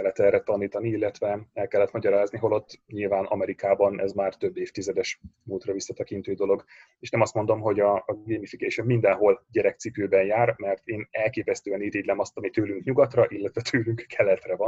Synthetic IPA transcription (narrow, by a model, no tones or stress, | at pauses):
ɛlːɛt̪ɛrɛt̪ɒniːt̪ɒniilːɛt̪ʋɛɛlkɛlːɛt̪mɒɟɒɾaːzniɦo̞lo̞t̪ːɲilvaːnɒmɛɾikaːbɒnɛzmaːrt̪ø̞bːeːft̪izɛd̪ɛʃmuːlt̪rɒvisːɒt̪ɛkint̪øːd̪o̞lo̞ɡeːʃnɛmɒst̪mo̞nd̪o̞mɦo̞ɟɒɡeːmifikeːʃomːind̪ɛnɦo̞lɟɛɾɛk̚t̪sipøːbɛnjaːrmɛrt̪eːnɛlkeːpɛst̪øːɛniɾiːd̪lɛmɒst̪ɒmit̪øːlyŋkɲuɡɒt̪rɒʔilːɛt̪ʋɛt̪ʰøːlyŋkkʰɛlːɛt̪rɛvɒn